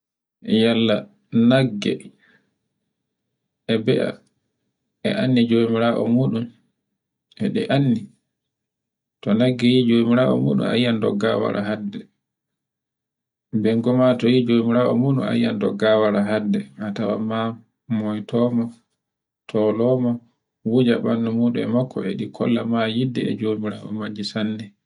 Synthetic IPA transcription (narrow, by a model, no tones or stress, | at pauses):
jalːa | naɡːɛ̰ | ɛbɛʔa̰ | ɛ̰ʔanːid͡ʒomiɾaːʔɔ̰muːɗum | ɛɗɛʔanːi | tɔnaɡːɛjid͡ʒomiɾaːʔɔ̰mṵːɗṵna̰jandɔ̰ɡa̰wa̰ɾʔa̰ɦadːɛ | bɛŋɡɔmatɔjid͡ʒomiɾaːʔɔmuːɗṵna̰jːandɔ̰ɡːawaɾaɦadːɛatawa̰ma | mɔjtɔːmɔ | tʰɔlɔmɔ | wud͡ʒaɓanːumuːɗumɛmakːɔɛɗikʰɔ̰lːamajidːɛ̰ɛ̰d͡ʒomiɾa̰ʔɔ̰mad͡ʒisandɛ